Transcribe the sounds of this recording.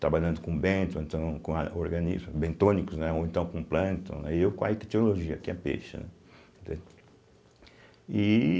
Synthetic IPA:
t̪ɾabaʎɐ̃nd̪ʊkõbẽt̪õẽnt̪ɐ̃w̃kõa̰oɾɡɐ̃nḭzmʊbẽnt̪õnikʊznɛoẽnt̪ɐ̃w̃kõplɐ̃nt̪ɐ̰̃nɛewkwã̰ɛk̪ɛt͡ʃ̪enoloʒiɐkiɛpḛʃɐ̰nɛ̰ | ẽd̪ḛ | i

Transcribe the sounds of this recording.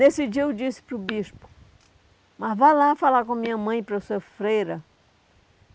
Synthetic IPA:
nesɪd͡ʒiɐed͡ʒisɪ̥pɾʊbiʃpʊ̥ | mɐzvalafalaɾkõmĩɲɐmɐ̃j̃pɾɐsuɐfɾejɾɐ

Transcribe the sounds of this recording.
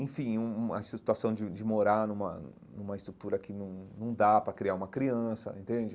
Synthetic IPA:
ẽfĩũuɐsit̪uasɐ̃w̃d͡ʒɪd͡ʒɪmoɾaɾnũmɐ̰ | nũmɐɪst̪ɾut̪uɾɐkɪnɐ̃w̃nɐ̃w̃d̪apɾɐkɾiaũmɐkɾiɐ̃sɐ̰ẽnt̪ẽnd͡ʒɪ

